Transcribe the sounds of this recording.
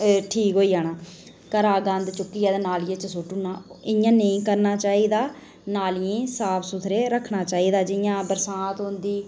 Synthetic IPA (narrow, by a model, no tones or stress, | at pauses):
ʈʰiːkɦoːiːaːnãː | kəɾaːɡə̃nd̪t͡ʃʊkːiːɛːd̪anaːljẽt͡ʃəsʊʈunaːɪjãːnəĩːkəɾnaːt͡ʃaːiːd̪aː | naːlẽːsaːpʰsʊt̪ʰɾeːɾəkʰːnaːt͡ʃaːiːd̪aːd͡ʒɪjãːbəɾsaːt̪ɦʊ̃nd̪iː